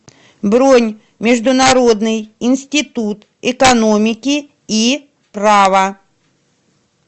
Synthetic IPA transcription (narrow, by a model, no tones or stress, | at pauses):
bɾonʲ | mʲɪʐd̪ʊnɐɾo̞d̪nɨjɪnsʲtʲɪt̪ut̪ | ɪkɐno̞mʲɪkʲɪ | i | pɾavɐ